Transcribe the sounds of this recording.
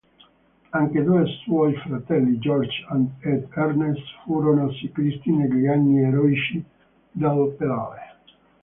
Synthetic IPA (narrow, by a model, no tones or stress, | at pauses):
aŋked̪uːeswɔjfɾat̪ɛlːid͡ʒɔrd͡ʒand̪ed̪ɛrnest̪fuɾonosikɾist̪ineɡlianːieɾɔit͡ʃi | d̪alːopeɾa̰ːɾe